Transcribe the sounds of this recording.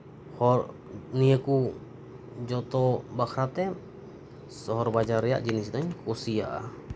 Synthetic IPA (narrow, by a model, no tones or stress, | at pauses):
hɔɾ | nijəku | d͡ʒɔt̪ɔbakʰɾat̪ɛ | sɔɦɔɾbad͡ʒaɾːɛja̰ʔd͡ʒinisd̪aɲkʰusijaʔa̰